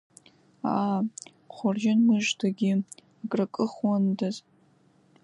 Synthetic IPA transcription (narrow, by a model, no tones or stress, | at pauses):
a | χʷɔrʒɪnmɨʒdʰaɡʲɪ | akʼrɐkʼɨχwɔndaz